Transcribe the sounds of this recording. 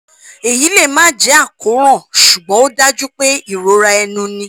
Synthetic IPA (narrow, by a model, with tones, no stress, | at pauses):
e˨ji˨˦le˦˨mãː˦d͡ʒɛ˨˦a˦˨ko˨˦ɾ̃ɔ̃˦˨ʃu˨ɡ͡bɔ̃˨˦o˦da˦d͡ʒu˦k͡pe˦i˦˨ɾo˨˦ɾa˧ɛ˧nũ˧nĩ˧